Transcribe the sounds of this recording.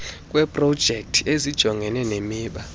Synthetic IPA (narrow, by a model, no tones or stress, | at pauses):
kʼwɛpʼrɔd̥ʒ̥ʱek̚tʰiezid̥ʒ̥ʱɔŋɡʱɛnɛnemiːɓa